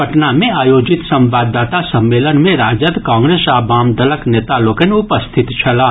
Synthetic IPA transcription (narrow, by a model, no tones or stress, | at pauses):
əʈnamẽaːjoːd͡ʒɪt̪sɐ̃mbaːd̪ːaːt̪asə̃mːeːlənmẽɾaːd͡ʒəd̪kãːŋɡɾeːsaːbaːmd̪ələkneːt̪aloːkeneʊpəst̪ʰɪt̪t͡ʃʰɐlaː